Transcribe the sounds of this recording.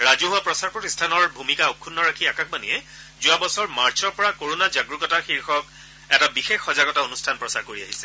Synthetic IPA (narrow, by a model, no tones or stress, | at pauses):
ɹazuɦʊapɹɔsaɹpɹɔtistʰanɔɹbʱumikaokʰːunːɔɹakʰiakakbanḭɛ | zʊabɔsɔɹmaɹt͡ʃʰɔɹpɔɹakoɹonad͡ʒaɡɹukɔtaxiɹxɔk̚ | ɛtabixexːɔzaɡɔtaonustʰanpɹɔsaɹkoɹiaɦisɛ̥